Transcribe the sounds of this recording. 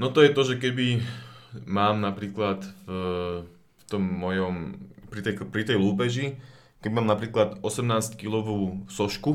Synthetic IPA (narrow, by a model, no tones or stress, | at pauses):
nɔt̪ɔjɛt̪ɔʒɛkɛbi | maːmnapɾiːklat̪v | ft̪ɔmːɔjɔmpɾit̪ɛpɾit̪ɛjluːpɛʒi | kɛbimaːmnapɾiːklad̪ɔsɛmnaːsckilɔʋuːsɔʃku